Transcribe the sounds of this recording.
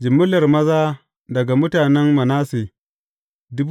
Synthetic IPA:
d͡ʒɪ˨mːʊ˦lɐ˨rmɐ˦zaː˦ | dɐ˨ɡa˨mʊ˦taː˨nɛ˦nmɐ˨naː˦seː˨ | dʊ˦b

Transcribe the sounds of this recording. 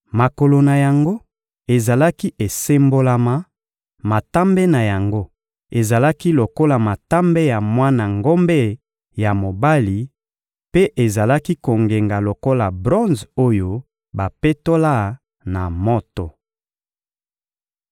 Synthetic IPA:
ma˨ko˨lo˨na˨ja˨ŋɡo˦ | e˨za˨la˦ki˦ʔe˨se˦mbo˦la˨ma˨ | ma˨ta˦mbe˦na˨ja˨ŋɡo˦ | e˨za˨la˦ki˦lo˨ko˦la˨ma˨ta˦mbe˦ja˨mwa˦na˨ŋɡo˦mbe˦ | ja˨mo˨ba˦li˨ | pe˦ʔe˨za˨la˦ki˦ko˨ŋɡe˨ŋɡa˨lo˨ko˦la˨bʁɔ̃˦nzo˦jo˦ | ba˨pe˦to˦la˦˨ | na˨mo˦to˨

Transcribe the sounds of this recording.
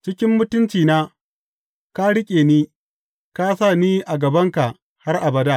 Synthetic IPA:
t͡ʃɪ˦kʲɪ˦mːʊ˦tʊ˦nt͡ʃiː˨naː˦ | ka˦ɽɪ˦kʲʼeː˨niː˦ | ka˦sa˦˨niː˦ʔa˨ɡɐ˨bɐ˦ŋka˨ʔ | ha˦rʔa˨bɐ˨daː˦

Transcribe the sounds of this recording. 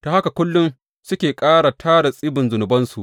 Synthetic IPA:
to˨ha˦ka˨kʷʊ˦lːʊ˦n | sʊ˦kʲeː˨kʼaː˦ɽa˨tʰaː˦da˨sʼɪ˦bɪ˨nzʊ˨nʊ˨bɐ˦nsu˨ʔ

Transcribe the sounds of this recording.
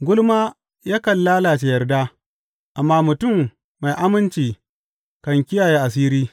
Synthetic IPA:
ɡʷʊ˦lmaː˦ | jaː˦kɐ˨nlaː˦laː˨t͡ʃe˨jɐ˨rdaː˦ | ʔa˨mːaː˦mʊ˨tʊ˦˨mː | a˨jʔa˦mɪ˦nt͡ʃiː˨ | kɐ˨ŋkʲɪ˦jaː˨je˦ʔa˨s̬iː˦ɾiː˦

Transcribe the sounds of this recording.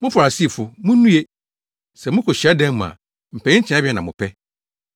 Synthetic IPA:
mʊ̃˦fa˨a˨si˦˨fʊ˨mʊ̃˦nũ˦je˦ | sɛ˨mʊ̃˦kʰɔ˨ɕi˨a˦dɛ̃˦m˦m˨ã̰˨ | m̩˨pʰɛ̃˨ɪ̃˦t͡ɕʰɪ̃˨˦a˦bi˦ɛ˦nã˨mʊ̃˨pʰɛ˦

